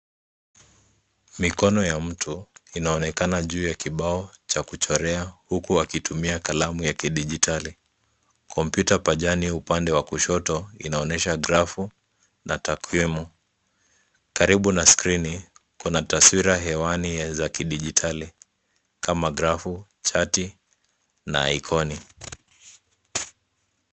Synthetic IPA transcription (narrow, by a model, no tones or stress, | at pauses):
mikɔnɔjam̩tʰuinaɔnɛkanaʄuːjakiɓaɔt͡ʃakut͡ʃɔɾɛahukuakitʰumiakalamujakiɗiʄitʰali | kʰɔmpjutapaʄaniupandɛwakuʃɔtɔḭnaɔnɛʃaɡɾafu | natakʰwimu | kaɾiɓunaskɾinikunataswiɾaɦɛwanizakiɗiʄitʰali | kʰamaɡɾafu | t͡ʃati | na̰jkʰɔni